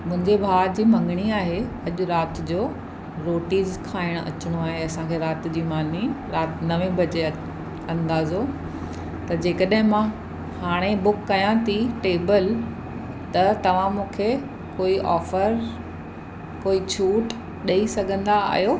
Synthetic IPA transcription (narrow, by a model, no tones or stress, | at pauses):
mʊ̃ɦɪ̃ɲd͡ʑebʱaːɾd͡ʑiːmɐ̃ŋɡɽ̃iaːɦeɐʄʊɾaːt̪ɪd͡ʑoː | ɾoːʈiːzkʰaːɪɽ̃ɐ̰t͡ɕɪɽ̃oaːɦeɐsãkʰeːɾaːt̪d͡ʑiːmaːniɾaːt̪nɐʋẽbʱɐt͡ɕe | ɐ̃nd̪aːzo | t̪ɐd͡ʑeːkəɗɦɪ̃mã | haːɽ̃ebʊkːɐjãt̪ʰiʈeːbəl | t̪ɐt̪ɐʋ̤ãmũːkʰe | koːiʔɔ̰ːfəɾ | koːit͡ɕʰuːʈ | ɗɐisɐɡʱə̃nd̪aa̰ːɦijoː